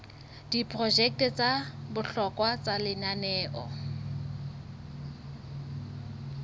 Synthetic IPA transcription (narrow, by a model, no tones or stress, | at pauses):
d̥ipʰʼrɔd͡ʒɛk̚tɛt͡sʼabʊɬɔkʼwat͡sʼalɪnanɛːʔɔ